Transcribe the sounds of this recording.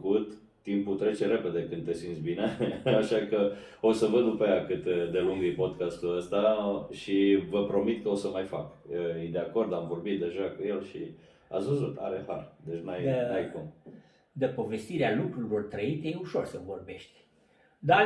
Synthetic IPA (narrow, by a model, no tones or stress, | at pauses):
kut̪ː | imput̪ɾe̞t͡ʃe̞ɾe̞pe̞d̪e̞kɨnd̪t̪e̞sint̪sbineaʃakə | o̞səvəd̪d̪upajakɨt̪d̪e̞luŋɡipo̞d̪kast̪uəst̪aʃivəpɾo̞mit̪kəo̞səmajfakəjed̪e̞ako̞rd̪amvo̞rbit̪̚d̪e̞ʒakuje̞lʃi | a̰svəzut̪a̰ɾeha̰rd̪e̞t͡ʃnajnajkum | d̪epo̞ve̞st̪iɾealukɾuilo̞rt̪ɾəit̪ejeuʃo̞rsəvo̞rbe̞ʃt̪ʲ | d̪a